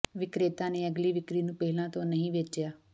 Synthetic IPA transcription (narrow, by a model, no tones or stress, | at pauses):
ʋɪkɾeːt̪ãːneːəɡliːʋɪkɾiːnũːpɛːɦɪlãːt̪õːnəɦĩːʋeːt͡ʃjaː